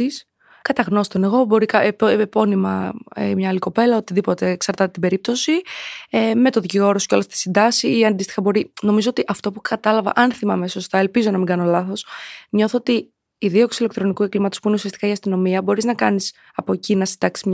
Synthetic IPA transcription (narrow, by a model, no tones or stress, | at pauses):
is | kɐt̪ɐɣno̞st̪o̞ne̞ɣo̞bo̞ɾikɐppo̞nimɐ̰mɲɐːliko̞pe̞lɐo̞t̪iðipo̞t̪e̞ːksɐɾt̪ɐt̪et̪ibe̞ɾip̚t̪o̞sieme̞t̪oðiciɣo̞ɾosceo̞lɐsft̪i̥sind̪ɐsiiɐnd̪ist̪ixɐbo̞ɾino̞mizo̞ot̪iʔɐft̪o̞pukɐt̪ɐlɐvɐ̰ʔɐnθimɐmeso̞st̪ɐelpizo̞nɐmiŋɡɐno̞lɐθo̞sɲo̞θoot̪iː | ðio̞ksile̞k̚t̪ɾo̞nikueɡlimɐt̪ospuineusiɐst̪ikɐiɐst̪ino̞miɐbo̞ɾiznɐkɐnis | ɐpo̞cinɐsind̪ɐksizm